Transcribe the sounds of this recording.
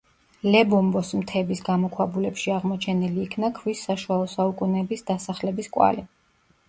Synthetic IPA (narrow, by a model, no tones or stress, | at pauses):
lɛbɔmbɔsmt̪ʰɛbisɡamɔkʰwabulɛpʃiaʁmɔt͡ʃʰɛniliːkʰnakʰwisːaʃualˠɔsaukʼunɛbisd̪asaχlɛbiskʼwa̰li